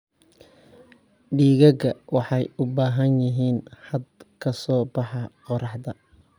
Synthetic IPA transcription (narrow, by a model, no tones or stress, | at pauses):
ɖiːɣɐɣɐwɑħɑjʊbaːɦɐnjɪɦiːnħɑɐd̪kʰɐsɔːbɑħɑqɔɾɑħd̪ɐ